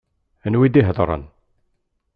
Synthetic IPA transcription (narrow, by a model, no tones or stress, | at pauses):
ənwid̪iɦəðˤɾˤə̰n